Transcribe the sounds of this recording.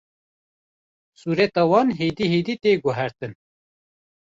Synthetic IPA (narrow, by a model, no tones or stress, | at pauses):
suːɾɛt̪ɑːwɑːnɦeːd̪iːheːd̪iːt̪eːɡʊɦɛɾt̪ɨn